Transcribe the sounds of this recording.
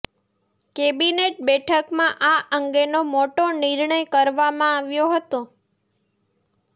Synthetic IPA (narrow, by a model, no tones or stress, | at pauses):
kebineʈ̚bɛʈʰəkmãʔaʔəŋɡenomoʈoniɾɳəjkəɾʋamãaʋjoɦət̪õ